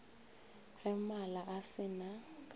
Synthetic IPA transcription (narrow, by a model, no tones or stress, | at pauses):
rɛmalaʔasɪna